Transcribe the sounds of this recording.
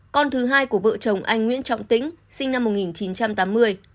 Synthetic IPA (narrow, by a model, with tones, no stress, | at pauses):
kɔ˧nt̪ʰɨ˨˦ɦaː˧jku˧˩əvə̰ː˧˨t͡ɕə˨˩wŋ͡mʔa˧jŋŋwḭ˧˥ənt͡ɕɔ̰˧˨wŋ͡mt̪ḭ̈˧˥ŋ̟sï˧ŋ̟na˧mːo˨˩t̚ŋi˨˩nt͡ɕi˨˦nt͡ɕa˧mt̪aː˨˦mːɨ˧əj